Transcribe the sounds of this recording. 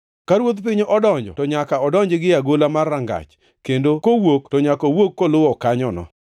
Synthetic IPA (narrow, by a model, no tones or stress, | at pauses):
kaɾwot̪p̬ɪɲoʔɔdɔɲd͡ʒɔ̰tɔɲakaɔdɔɲd͡ʒɪɡɪaɡolamarːaŋɡa̰t͡ʃ | kendokowoktɔɲakɔwokːolʊwɔkaɲɔnɔ̰